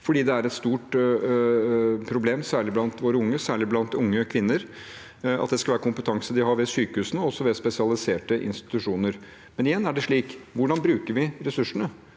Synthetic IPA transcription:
fɔɖiːd̪ɛæɾɛt̪st̪uːʈ | pʰɾʊbleːmsæːɭɪblɑnt̪ʋoːɾəʊŋːəsæːɭɪblɑnt̪ʊŋːəkʰʋɪnːəɾ | ɑ̰t̪̚d̪ɛskɑlʋæːɾəkʰʊmpət̪ʰɑŋsəd̪ɪhɑɾʋɛsyːkəhʉːsənəɔɔsːɔʋɛspɛsɪɑlɪseːʈəʔɪ̰nst̪ɪ̥t̪ʉʂuːnəɾ | mɛnɪjɛnːæɖɛʂɭiːkʋʊɖɑnbɾʉːkəɾʋɪɾɛsʉʂːəɳə

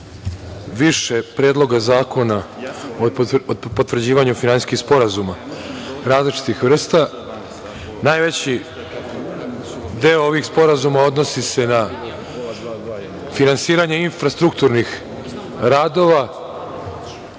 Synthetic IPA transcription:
ʋiʃe̞pɾeːd̪lˠo̞ɡazaːko̞naoopo̞t̪vr̩d͡ʑiːʋaɲufinansiskixspo̞ɾazuma | ɾaːzlit͡ʃi̥t̪ixʋr̩st̪a | najʋe̞t͡ɕi | d̪eooʋixspo̞ɾazumao̞d̪no̞sise̞na | finansiːɾaɲe̞infɾast̪ɾukt̪uɾnix | ɾaːd̪o̞ʋa

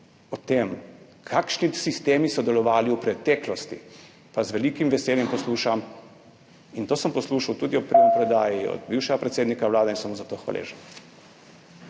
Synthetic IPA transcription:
ɔt̪em | kʰakʃnisist̪eːmisɔd̪ɛlɔʋaːliupɾɛt̪ɛːklɔst̪ḭ | pazʋɛlikimʋɛseːljɛmpɔsluːʃam | int̪oːsəmpɔsluːʃawt̪uːd̪iɔpɾamɔpɾɔd̪aːjiɔ̰d̪biwʃɛɡapɾɛt̪seːd̪nikawlaːd̪ɛinsɔmɔzat̪oːxʋa̰lʔḛʒɛ

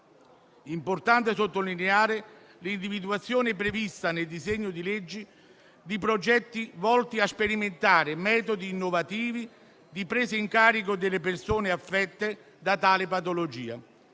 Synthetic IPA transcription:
import̪ant̪ɪsot̪ːolineaːɾɪ | lind̪ivid̪uat̪sːjoːnɪpɾevist̪aneld̪izɛɲːʊd̪ilɛd͡ʒːi | d̪ipɾod͡ʒɛt̪ːivɔlt̪iaspeɾiment̪aːɾɪmɛːt̪od̪iːnːovat̪iːvi | d̪ipɾeːsɪiŋkaːɾik̬od̪ɪlːepersoːnɪafːɛt̪ːe | d̪at̪aːlɪpat̪̬olod͡ʒiːa̰

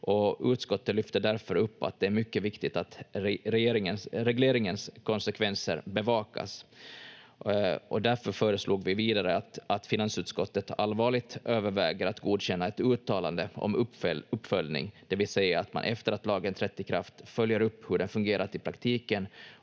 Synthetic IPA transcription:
ʔɔʉ̟ːt̪skɔt̪ːət̪lʏft̪əɖ̪æɾfœɾɵpːa̰t̪̚d̪ɛæɾmʏkːəvɪkt̪ɪt̪at̪ɾɛjeːɾɪŋənsɾɛɡleːɾɪŋənskʰɔnsɛkʰvɛnsə̰ɾbɛvɑːka̰s | ɔd̪æɾfœɾfœːɾəslʔuːɡvɪviːd̪aɾəat̪ʔat̪fɪnansʉ̟ːt̪skɔt̪ːət̪alvɑːɭɪɡ̚t̪ʔøːvəɾvɛːɡəɾat̪ɡuːd̪ɕɛnːaɛt̪ʉ̟ːt̪ʰɑːla̰nd̪əɔ̰mɵpːfœlnɪ̰ŋd̪̥ɛvɪlsɛjːaːt̪ma̰nʔɛft̪əɾat̪lɑːɡənt̪ʰɾɛt̪ːəkʰɾa̰ft̪fœljəɾɵpːhɵɖɛnfɵŋɡeːɾat̪ɪpʰɾakt̪ʰiːkən

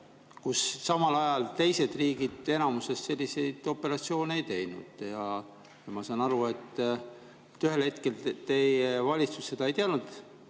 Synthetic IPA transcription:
kusːɑmɑlɑjɑlt̪e̞jse̞d̪̥riːɡid̪̥e̞nɑmuse̞st̪se̞lʲːise̞jd̪̥o̞pːˑe̞ɾɑt̪sio̞ːnee̞jt̪e̞jnṵd̪̥jɑ | jɑmɑsɑːnɑɾue̞t̪ˑː | t̪ːyɦe̞lhe̞t̪̚ke̞lt̪e̞jevɑlʲit̪susse̞d̪ɑe̞jt̪eɑnud̪̥

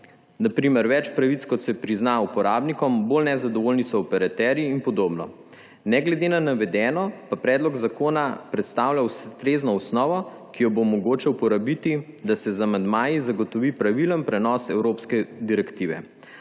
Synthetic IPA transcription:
napɾimɛɾʋɛt͡ʃpɾaʋit̪skɔt̪sɛpɾiznaupɔɾaːbnikɔmbolnɛzad̪ɔʋoːlnisɔːpɛɾat̪ɛːɾjiːnpɔd̪oːbnɔ̰ | nɛɡlɛd̪enanaʋɛd̪ɛnɔpapɾɛːd̪lɔɡzakoːnapɾɛt̪st̪aːwlʲawst̪ɾeːznɔusnɔːʋɔ | kijɔbomɔɡoːt͡ʃɛwpɔɾabit̪i | d̪asɛzamand̪maːjizaɡɔt̪ɔʋipɾaʋilənpɾɛnɔsɛwɾoːpskɛd̪iɾɛkt̪iːʋɛ̰

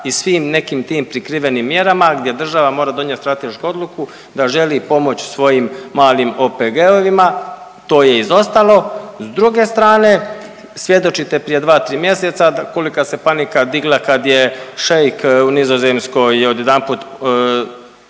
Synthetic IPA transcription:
isʋiːmne̞kiːmt̪iːmpɾikɾiʋe̞nimːje̞ɾamaɡd̪je̞d̪r̩ʒaʋamo̞ːɾad̪o̞ɲet̪st̪ɾat̪eʃkuo̞d̪lˠuku | d̪aʒe̞lipo̞mo̞t͡ɕsʋo̞jimːaːlimo̞peɡeoʋima | t̪o̞ːje̞izo̞st̪alˠo̞zd̪ɾuɡe̞st̪ɾaːne̞ | sʋje̞d̪o̞t͡ʃit̪e̞pɾije̞d̪ʋaːt̪ɾiːmje̞se̞t̪saako̞likase̞panikad̪iɡlˠakad̪jeʃejkunizo̞zemsko̞jo̞d̪jed̪anput̪

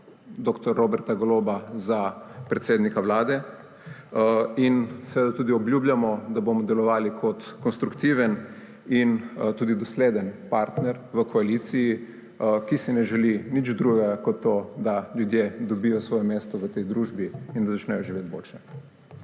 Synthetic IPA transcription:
d̪okt̪ɔɾːobɛɾt̪aɡolobazapɾɛt̪seːd̪nikaʋlaːd̪ɛ | insɛʋeːd̪at̪uːd̪iɔbljuːbljʲamɔd̪aboːmɔd̪ɛlɔʋaːlikʰɔt̪kɔnst̪ɾukt̪iːʋɛn | int̪uːd̪id̪ɔsleːd̪ənpaɾt̪nɛɾʋəkʰɔalit̪siji | kisinɛʒɛlinit͡ʃd̪ɾuɡɛɡakɔt̪ːoːd̪aljud̪jed̪ɔbijɔsʋɔːjɛmeːst̪ɔʋət̪ɛjd̪ɾuːʒbiind̪azat͡ʃnɛjɔʒiʋeːt̪̚bo̰ːlt͡ʃɛ

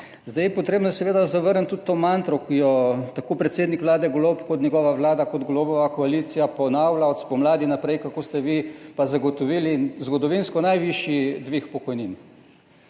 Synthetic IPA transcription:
zd̪ajɛpɔt̪ɾeːbnɔsɛʋeːd̪azaʋəɾnt̪ːut̪t̪ːoːmant̪ɾɔkijɔt̪akoːpɾɛt̪seːd̪nikʋlaːd̪ɛɡlopkɔt̪njɛɡɔːʋaʋlaːd̪akɔd̪ɡlobɔʋakɔaliːt̪sijapɔnawlaɔt̪spɔmlaːd̪inapɾɛjkakoːst̪ɛʋipazaɡɔt̪ɔʋilizɡɔd̪ɔʋinskɔnajʋiʃjid̪ʋixpɔkɔjnin

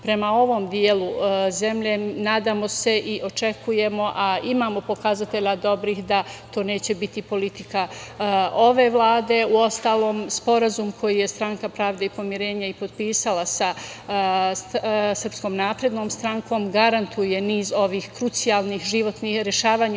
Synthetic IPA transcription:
pɾe̞mao̞ʋo̞ːmd̪jeːlˠuze̞mʎe̞naːd̪aːmo̞se̞ʔiʔo̞t͡ʃe̞kʰuje̞mo̞ʔaimaːmo̞po̞kazat̪e̞ʎad̪o̞bɾixd̪at̪o̞ːne̞ːt͡ɕe̞bit̪ipo̞lit̪ika | o̞ʋe̞ʋlˠaːd̪e̞uo̞st̪aːlˠo̞ːmspo̞ɾazumkʰo̞jije̞st̪ɾaŋkapɾaːʋd̪eipo̞mjiɾe̞ːɲaipo̞d̪piːsalasa | ssr̩psko̞ːmnaːpɾe̞d̪no̞ːmst̪ɾaŋko̞ːmɡaɾant̪ʰuje̞niːzo̞ʋiːxkɾut̪sijaːlˠniːxʒiʋo̞t̪nihɾeʃaːʋaːɲ

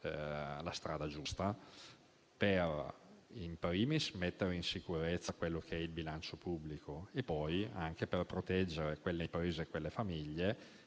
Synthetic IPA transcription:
last̪ɾaːd̪ad͡ʒust̪a | perimpɾiːmismet̪ːeɾeinsikuɾet̪sːakwelːokʰeɛilbilant͡ʃopubːlikʰoepːɔja̰ŋkeperpɾot̪ɛd͡ʒːeɾekwelːepɾiːzekwelːefamiʎːe

